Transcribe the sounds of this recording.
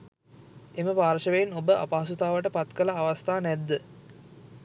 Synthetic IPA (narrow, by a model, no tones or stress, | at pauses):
eməpaːɾʃəʋeːnobəʔa̰paːasut̪aːʋəʈəpat̪kəlaːʋast̪aːnɛd̪ːə